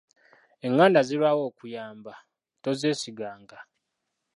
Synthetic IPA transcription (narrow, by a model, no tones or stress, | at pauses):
e̞ŋːaːndaziβawo̞ːkujaːmba | to̞zeːsiɡaːŋɡa